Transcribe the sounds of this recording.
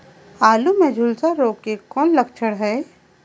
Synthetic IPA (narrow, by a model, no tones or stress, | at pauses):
aːlumed͡ʒʱʊlsaɾoːkːekɔːnlɐkt͡ʃʰəɽɦɛː